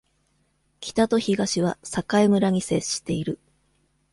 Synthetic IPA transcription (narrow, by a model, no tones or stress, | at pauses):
kʲi̥t̪at̪o̞çiɡaɕiβ̞asakaimɯ̟ɾaɲ̟ise̞ɕːi̥t̪e̞iɾɯ̟